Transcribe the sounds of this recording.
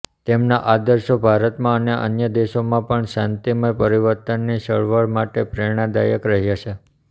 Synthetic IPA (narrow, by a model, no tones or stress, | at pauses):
t̪emnaʔad̪əɾʃobʱaɾət̪mãəneʔə̰njəd̪eʃomãpəɳʃãnt̪iməjpəɾiʋəɾt̪ənːisəɭʋəɭmaʈepɾeɽ̃ãd̪ajəkɾəɦjat͡ʃʰe